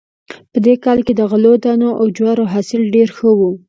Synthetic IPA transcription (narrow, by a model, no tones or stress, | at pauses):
pəd̪ekɑlked̪əɣalod̪ɑnoʔawd͡ʒwaɾoɦɑsɪlɖeɾxəwu